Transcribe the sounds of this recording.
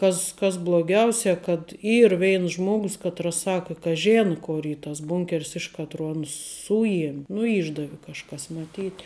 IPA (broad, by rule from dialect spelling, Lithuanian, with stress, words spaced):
ˈkɐs kɐs blˠoːˈɡʲɛʊsʲɛ kɐt ˈiːr ˈʋʲɛɪns ˈʒmoːɡʊs ˈkɑːtrɐs ˈsɑːkə kɐ ˈʒʲeːnɐ ˈkoːr ˈiː tɐs ˈbuːŋʲkʲɛrʲs ˈɪʃ kɐtroː ˈɑːnʊs ˈsʊjiɛmʲ nʊ ˈiːʒdɐʋʲɪ kɐʃˈkɐs mɐˈtʲiːtʲ